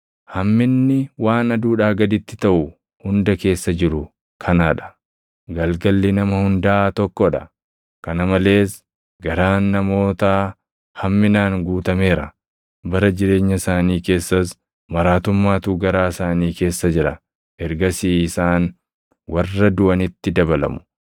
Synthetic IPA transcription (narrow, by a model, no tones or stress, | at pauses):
hɐmːɪnːɪwaːnɐd̪uːᶑaːɡɐd̪ɪt̪ːɪ̥t̪ɐʔʊ | hʊnd̪ɐke̞ːsːɐd͡ʒɪɾʊ | kʰɐnaːᶑɐ̥ | ɡɐlɡɐlːɪnɐmɐhʊnd̪at̪ɔkːɔᶑɐ | kɐnɐmɐle̞ːs | ɡɐɾaːnːɐmo̞ːt̪aː | hɐmːɪnaːŋɡuːt̪ɐme̞ːɾɐ | bɐɾɐd͡ʒɪɾe̞ːɲːɐsaːniːke̞ːsːɐs | mɐɾaːt̪ʊmːaːt̪uːɡɐɾaːsaːniːke̞ːsːɐd͡ʒɪɾɐ | ʔɛɾɡɐsiːɪsaːn | wɐrːɐd̪ʊʔɐnɪt̪ːɪd̪ɐbɐlɐ̰mʊ̥